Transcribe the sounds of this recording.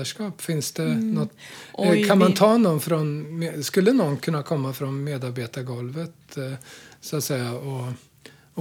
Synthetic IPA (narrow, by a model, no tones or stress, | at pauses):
aʂkɑːpfɪnsd̪̥ɛnɔt̪ːkʰanmant̪ʰɑːnɔnfɾɔnmeskɵlːənɔnkʰɵnːakʰɔmːafɾɔnmeːd̪aɾbeːt̪aɾɡɔlvət̪ | sʊat̪sɛjːaɔ